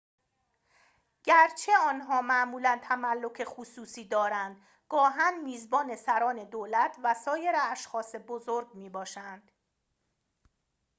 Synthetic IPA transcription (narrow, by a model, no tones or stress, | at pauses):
ɟ̥æɾt͡ʃʰe̞ɒːnɦɒːmæʔmuːlænt̪ʰæmælːo̞cʰe̞xusuːsiːd̪ɒːɾænd̪̥ | ɡ̥ɒːɦænmiːzbɒːne̞sæɾɒːne̞d̪oːlæt̪ʰvæsɒːje̞ɾeæʃxɒːse̞bozoɾɡmiːbɒːʃænd̪̥